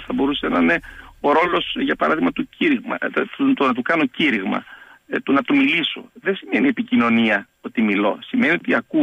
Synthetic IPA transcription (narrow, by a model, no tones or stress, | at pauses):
θɐbo̞ɾuse̞nɐneo̞ɾo̞lo̞sʝɐpɐɾɐ̰ðiɣmɐt̪uciɾiɣmɐ̰t̪onɐt̪̬ukɐno̞ciɾiɣmɐ̰t̪unɐt̪umiliso̞̰ðesime̞nie̞picino̞niɐ | o̞t̪imilo̞̰sime̞nio̞t̪iɐku